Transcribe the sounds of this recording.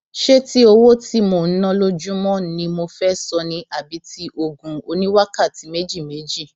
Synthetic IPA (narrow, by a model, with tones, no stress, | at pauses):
ʃe˦ti˦o˧wo˦ti˦mo˧˨n̩˦nɔ̃˦lo˦d͡ʒũ˦mɔ̃˦˨˦nĩ˧mo˧fɛ˦sɔ˧nĩ˧ʔa˨bi˨˦ti˦ʔo˧ɡũ˨o˧nĩ˦wa˦ka˦˨ti˨˦me˦d͡ʒi˦˨me˨˦d͡ʒi˦˨